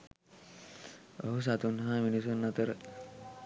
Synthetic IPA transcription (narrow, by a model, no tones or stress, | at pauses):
ə̰ɦus̬at̪unɦaminis̬unːat̪əɾ